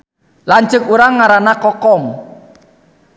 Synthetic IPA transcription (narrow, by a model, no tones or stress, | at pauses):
laɲt͡ʃʊkuɾaŋːaɾanakɔkɔm